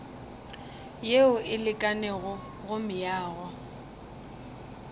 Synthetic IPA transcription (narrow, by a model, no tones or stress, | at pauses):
jeʊʔɪlɪkʼanɛɣʊ | ɣʊmɪjaːɣɔ